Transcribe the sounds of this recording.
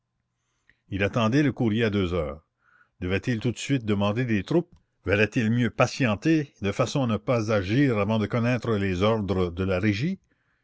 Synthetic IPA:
ilat̪ɑ̃d̪ɛləkuʁjead̪øːzœ̰ːʁ | d̪̥əvɛt̪ilt̪ut̪sɥit̪̚d̪əmɑ̃d̪ed̪et̪ɾup̚ | vəlɛt̪ilmjøpasjɑ̃t̪ed̪əfasɔ̃anəpazaʒiːʁavɑ̃d̪əkɔnɛt̪ɾəlezɔʁd̪ɾəd̪əlaʁeʒi

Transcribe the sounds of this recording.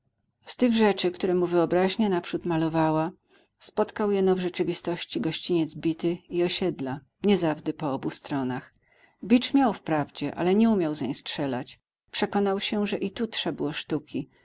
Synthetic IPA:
st̪ɘɣʐɛt͡ʂɘkt̪uɾɛmuvɘɔbɾaʑɲɛnapʂut̪malɔvawa | spɔt̪kawjɛnɔvʐɛt͡ʂɘvʲist̪ɔɕt͡ɕiɡɔɕt͡ɕiɲɛd̪zbʲit̪ɘiɔɕɛd̪la | ɲɛzavd̪ɛpɔɔbust̪ɾɔnax | bʲit͡ʂmʲjawfpɾavd͡ʑɛʔa̰lɛɲɛumʲjawzɲejstʂɛla̰t͡ɕ | pʂɛkɔnawɕɛʐɛʔit̪utʂɛbwɔʂt̪ukʲi

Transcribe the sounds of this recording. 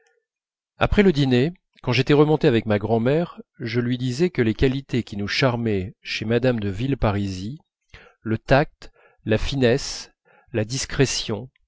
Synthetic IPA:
a̰pχɛləd̪ine | kɑ̃ʒet̪ɛʁəmɔ̃t̪eavɛk̚maɡʁɑ̃mɛʁʒəlɥid̪izɛkəlekalit̪ekʲinuʃaʁmɛʃemad̪amd̪əvilpaʁizi | lət̪ak̚t̪ | lafinɛs | lad̪iskχɛsjɔ̃

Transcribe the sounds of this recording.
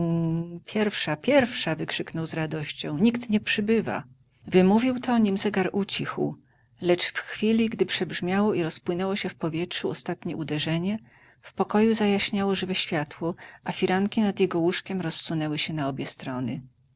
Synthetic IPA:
pʲjɛɾfʂapʲjɛɾfʂavɘkʂɘknɔwzɾad̪ɔɕt͡ɕɔ̃w̃ɲikt̪ɲɛpʂɘbɘva̰ | vɘmuvʲiwt̪ʰɔɲimzɛɡaɾut͡ɕixw | lɛt͡ʂfxfʲilʲiɡd̪ɘpʂɛbʐmʲjawɔiɾɔspwɘnɛwɔɕɛfpɔvʲjɛtʂuɔst̪at̪ɲɛʔud̪ɛʐɛɲɛ | fpɔkɔjuzajaɕɲawɔʐɘvɛɕfʲjat̪wɔʔafʲiɾaŋkʲinad̪jɛɡɔwuʂkʲɛmɾɔsːunɛwɘɕɛnaɔbʲjɛst̪ɾɔnɘ̰

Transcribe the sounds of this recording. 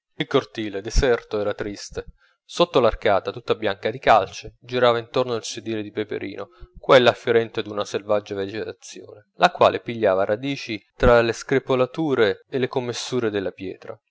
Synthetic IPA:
ilkort̪iːled̪esɛrt̪oɛːɾat̪ɾist̪e | sot̪ːolarkaːt̪at̪ut̪ːabjaŋkad̪ikalt͡ʃed͡ʒiɾaːvaint̪ornoilsed̪iːled̪ipepḛɾʔḭːnokwɛlːaːfjoɾɛnt̪ed̪unaselvad͡ʒːaved͡ʒet̪at̪sːjo̰ːnelakwa̰ːlʔepiʎːaːvaɾʔad̪iːt͡ʃit̪ɾaleskɾepolat̪uːɾeːlːekomːesːuːɾed̪elːapjɛ̰ːt̪ɾa

